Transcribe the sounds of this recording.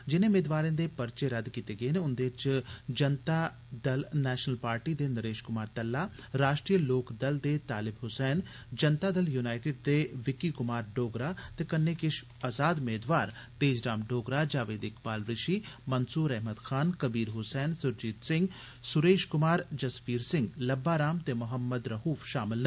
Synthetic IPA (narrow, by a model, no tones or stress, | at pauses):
d͡ʒɪnẽːmeːd̪ʋaːɾẽːd̪eːpəɾt͡ʃeɾəd̪kiːt̪eːɡəeneːʊnd̪eːɪt͡ʃd͡ʒənt̪aː | d̪əlnɛːʃənəlpaːɾʈiːd̪eːnəɾeːʃkʊmaːɾt̪əlːaːɾaːʃʈɾijəloːkd̪əld̪eːt̪aːlɪbɦʊsɛːn | d͡ʒənt̪aːd̪əljuːnaːɪʈɪːɖ̚d̪eːʋɪkikʊmaːɾɖoːɡɾaːt̪ekɐnːekɪʃ | aːzaːd̪meːd̪ʋaːɾt̪eːd͡ʒɾaːmɖoːɡɾad͡ʒaːʋeːd̪ɪkbaːlɾɪʃimɐnsuːɾɛɦmət̪xʰaːnkɐbiːɾɦʊsɛːnsʊɾd͡ʒiːt̪sɪ̃ŋɡ | sʊɾeːʃkʊmaːɾd͡ʒɐspiːɾsɪ̃ŋɡlɐbːaːɾaːmt̪emʊɦəmːəd̪ɾɐɦuːfʃaːmɪlnɐ